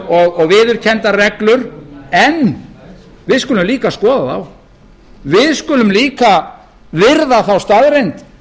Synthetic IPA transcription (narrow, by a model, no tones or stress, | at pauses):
ɔɣɔɣvɪːðʏɾ̥cʰɛnt̪arɛklʏɾɛn | vɪðskʏlʏmliːkaskɔːðaθaw | vɪðskʏːlʏmliːka | vɪɾðaθawst̪aðɾejnt̪